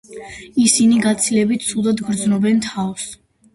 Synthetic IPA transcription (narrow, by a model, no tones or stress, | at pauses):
isiniɡat̪sʰilɛbit̪̚ʰt̪sʰud̪ad̪ɡɾd̪znɔbɛnt̪ʰavs